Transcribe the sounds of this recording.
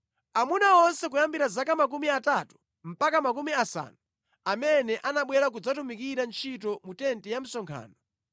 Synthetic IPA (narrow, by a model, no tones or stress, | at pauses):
amunaɔnsɛkujambiɾazakamak̬umiatatu̥ | m̩pakamak̬umiasa̰ːnu | amɛnɛʔanaɓwɛɾak̬ud͡zatumikiɾant͡ʃʰitɔmutɛntɛjam̩sɔŋkʰa̰ːnɔ